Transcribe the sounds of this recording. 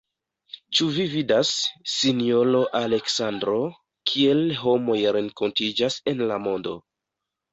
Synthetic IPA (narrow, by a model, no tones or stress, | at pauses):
t͡ʃuvividasːinio̞lo̞ʔale̞ksandɾo̞ | kʰie̞lɦo̞mo̞jɾe̞ŋko̞ntid͡ʒase̞nlamo̞ndo̰